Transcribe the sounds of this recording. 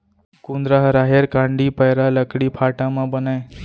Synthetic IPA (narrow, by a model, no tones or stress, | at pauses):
kũnd̪ɾaɦɾaɦeɾkãɳɖipəjɾaləkɽipʰaʈãmãbənaj